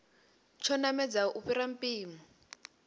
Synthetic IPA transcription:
t͡ʃʰɔnamɛd͡zaʔuɸiɾam̩piːmɔ

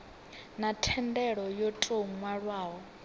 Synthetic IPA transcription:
natʰɛndɛɺɔjɔtʼoŋwaɺwaːɦɔ

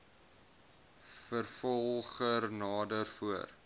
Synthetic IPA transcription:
fərfɔlˠχərnɑːdərfuər

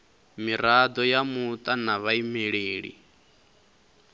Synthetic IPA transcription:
miɾad̪ɔjamut̪ʼanaβaimeɺeːɺḭ

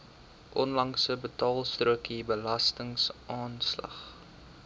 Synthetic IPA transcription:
ʔɔnlɐŋsəbətɑːlˠstruəkibəlɐstəŋsʔɑːnslɐ̰χ

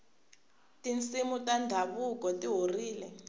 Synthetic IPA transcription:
tint͡simutandʱaβukɔtiɦoriːlɛ

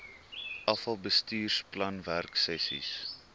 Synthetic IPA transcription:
ʔɐfɐlˠbəstiːrsplɐnværksɛsḭs

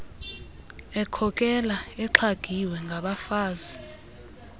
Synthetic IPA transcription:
ɛkʰɔkʼɛlaɛǁʰaɡ̥ʱiwɛŋɡʱaɓafaːzi

